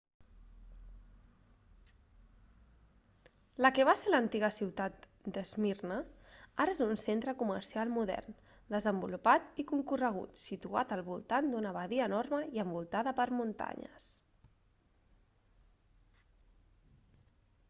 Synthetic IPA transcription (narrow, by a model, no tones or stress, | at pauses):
ləkəβ̞aselənt̪iɣəsiwt̪at̪ | d̪əzmirnəaɾəezunsent̪ɾəkumə̰ɾsialˠmuðɛ̰rn | d̪əzəmbulupat̪ikuŋkurəɣ̞ṵt̪sit̪ua̰t̪əlˠβṵlˠt̪and̪unəβəðiəːnorməiəmbulˠt̪aðəpəɾmunt̪a̰ɲə̰s